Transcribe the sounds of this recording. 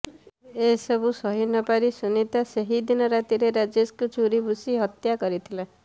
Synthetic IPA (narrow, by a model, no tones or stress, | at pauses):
esɔbusɔɦinɔpaɾisunit̪aseɦid̪inɔɾat̪iɾeɾad͡ʒeskut͡ʃʰuɾibusiɦɔt̪jakɔɾit̪ʰila